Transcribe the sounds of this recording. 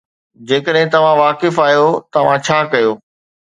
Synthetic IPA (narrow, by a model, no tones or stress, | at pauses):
d͡ʑeːkəɗɦɪ̃t̪ɐʋ̤ãʋaːkɪfaːjot̪ɐʋ̤ãt͡ɕʰaːkɐjoː